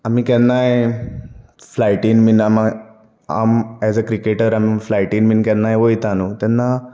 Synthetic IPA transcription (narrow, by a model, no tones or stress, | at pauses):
amikɛnːaɦe | flajʈinminama | a̰mɛzəkɾikeʈəɾamiflajʈiːnminkɛ̃nːajeoit̪anut̪ɛnːa